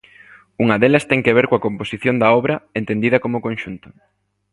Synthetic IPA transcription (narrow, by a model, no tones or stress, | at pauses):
uŋɐðelɐst̪ɛŋkeβeɾkoɐkomposiθjond̪ɐɔβɾɐent̪end̪iðɐkomokõnʃunt̪ʊ̥